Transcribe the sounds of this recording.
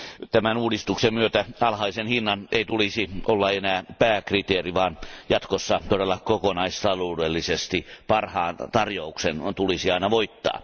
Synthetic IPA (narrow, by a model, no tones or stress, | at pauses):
t̪æmænuːdist̪uksemmyøt̪æɑlhɑisenhinːɑnʔeit̪ulisiolːɑenæːpæːkrit̪eːriʋɑːnjɑt̪kosːɑt̪odelːɑkokonɑist̪ɑloːdelːisest̪ipɑrhɑːnt̪ɑrjouksent̪ulisiɑinɑʋoit̪ːɑ̰ː